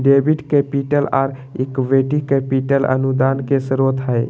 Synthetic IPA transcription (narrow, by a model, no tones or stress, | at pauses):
ɖebʱiʈkepiʈəla̰ːɾ | ekʋeʈikepiʈələ̰nud̪ankesəɾot̪ɦəj